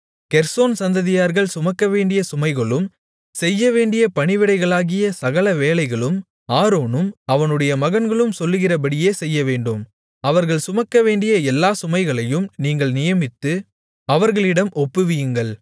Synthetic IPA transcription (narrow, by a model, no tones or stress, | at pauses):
kɛɾsoːnsɐnd̪ɐðɪjaːɾɣɐɭsʊmɐkːɐʋeːɳɖɪjɐsʊmɐɪɣɐɭɯm | sɛjːɐʋeːɳɖɪjɐpɐɳɪʋɪɽɐɪɣɐɭaːɣɪjɐsɐɣɐɭɐʋeːlɐɪɣɐɭɯm | aːɾoːnɯmɐʋɐnɯɽɐjɐmɐɣɐnɡɐɭɯmsɔlːɯɣɪrɐbɐɽɪjeːsɛjːɐʋeːɳɖɯm | ɐʋɐɾɣɐɭsʊmɐkːɐʋeːɳɖɪjɐɛlːaːsʊmɐɪɣɐɭɐjɯmniːŋɡɐɭnɪjɐmɪt̪ːɯ | ɐʋɐɾɣɐɭɪɽɐmʔɔpːɯʋɪjɯŋɡɐɭ